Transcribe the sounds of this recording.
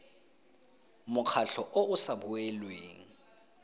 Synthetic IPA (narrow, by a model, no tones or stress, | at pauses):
mʊk͡xʰaɬɔʔoʊsaɓʊɛlweːŋ̩